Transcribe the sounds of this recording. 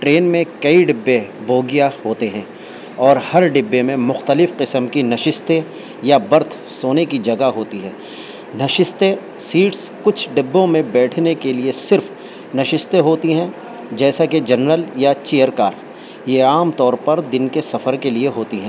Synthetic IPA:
ʈɾeːnmẽkɐiɖɪbːeboːɡijaɦoːt̪eɦɛ̃ː | ɔːɾhɐɾɖɪbːemẽmʊxt̪əlɪfqɪsəmkinɐʃɪst̪e | jabɐɾt̪ʰsoːnekid͡ʒɐɡaɦoːt̪iɦɛ̃ː | nɐʃɪst̪e | siːʈskʊt͡ʃʰɖɪbːõmẽbɛːʈʰnekeliesɪɾf | nɐʃɪst̪eɦoːt̪iɦɛ̃ː | d͡ʒɛːsaked͡ʒɐnɾəljat͡ʃeːjəɾkaːɾ | jeaːmt̪ɔːɾpɐɾd̪ɪnkesɐfəɾkelieɦoːt̪iɦɛ̃ː

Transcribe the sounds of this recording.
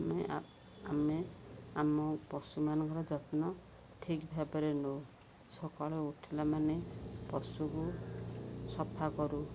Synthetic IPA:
me | ameamɔpɔsumanɔ̃ŋkɔɾɔd͡ʒɔt̪nɔ | ʈʰikbʱabaɾenow | sɔkaɭɔuʈʰilamanepɔsuku | sɔpʰːakɔɾu

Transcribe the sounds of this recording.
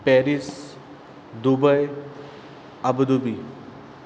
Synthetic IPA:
pɛːɾis | d̪ubəj | ɐbd̪ubi

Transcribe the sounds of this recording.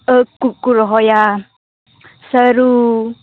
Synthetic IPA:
əkːukːuɾɔɦɔja | səɾu

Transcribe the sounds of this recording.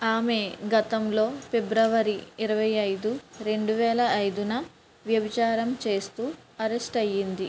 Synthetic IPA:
aːme̞ɡɐt̪ɐmlo̞ːpebɾɐʋɐɾiiɾɐʋɐjɐjd̪uɾe̞ɳɖuʋɛːlɐɐjd̪unɐ | ʋjɐbit͡ʃaːɾɐmt͡ʃe̞ːst̪uːɐɾesʈɐjːind̪i

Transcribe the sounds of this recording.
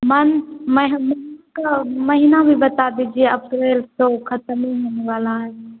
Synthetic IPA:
mənməɦmɐɦnakamɐɦinabʱibət̪ad̪iːd͡ʒieɐpɾeːlt̪okʰət̪miɦoːneʋaːlaɦɛ

